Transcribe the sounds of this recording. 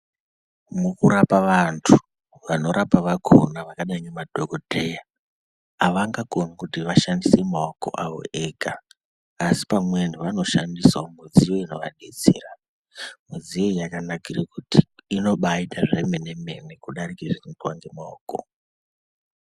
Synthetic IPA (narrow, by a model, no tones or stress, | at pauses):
mukuɾapaʋantʰu̥ | ʋano̞ɾʔapaʋakʰo̰naʋakaɗaɲemadʱokodʱe̞jaː | ʋaŋɡakonakutiʋaʃandisemaoko̞̰ʔaʋo̞̰ʔeːɡʱaː | si̥pamwe̞nuʋano̞ʃandiswaomuzijo̞ino̞ʋa̰ɗe̞t͡seːra | muzijojakanakirakutiːno̞ɓaitaʐeme̞neme̞nekuɗaɾikeʐirintwaŋɡe̞maoːko̰